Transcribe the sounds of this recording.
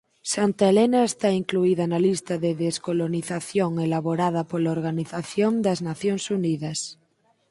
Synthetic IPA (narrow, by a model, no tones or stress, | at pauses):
sant̪aelenaest̪aiŋkluiðanalist̪aðeðeskoloniθaθjoŋelaβoɾað̞ɐpolaoɾɣaniθaθjond̪aznaθjoŋsuniðas